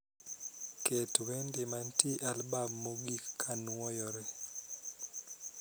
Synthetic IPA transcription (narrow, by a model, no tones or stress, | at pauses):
ketwendɪmantiʔalbabmoɡikːanwɔjɔɾɛ